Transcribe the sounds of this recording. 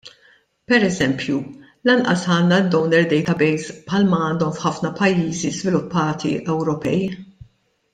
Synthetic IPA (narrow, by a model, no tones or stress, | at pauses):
pɛɾɛzɛmpju | lɐnʔɐsɐːnːɐd̪ɔwnɛɾd̪ɛjt̪ɐbɛjspħɐlmɐɐːnd̪ɔmfħɐfnɐpɐjːiːzizvɪlʊpːɐːt̪ḭʔɛwɾɔpɛj